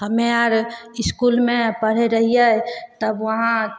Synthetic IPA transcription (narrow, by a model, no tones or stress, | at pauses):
həmeaɾɪskulmẽpəɽ̤eɾəɦijɛt̪əbʋəɦã